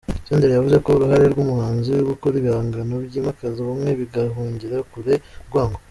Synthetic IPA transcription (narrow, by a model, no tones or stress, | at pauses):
seːndeɾejavuze̞ko̞uɾuhaɾe̞ɾɡumuhaːnzijoɡukoɾiβihaːŋɡanobɟiːmakaziβumŋe̞βiɡaɦuːɲɟiɾakuɾeɾɡwaːŋɡo